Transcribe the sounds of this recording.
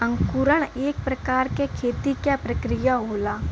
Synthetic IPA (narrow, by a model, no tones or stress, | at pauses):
ə̃ŋkuɾəɽ̃eːk̚pɾɐkaːɾkekʰeːt̪ikjapɾɐkɾɪjaɦoːlaː